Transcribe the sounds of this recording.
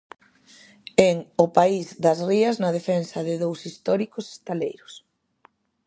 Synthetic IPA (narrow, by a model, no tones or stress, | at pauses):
eŋʊpaizd̪ɐzriɐznɐðefɛnsɐðɪðowsist̪ɔɾikʊse̥st̪alejɾʊs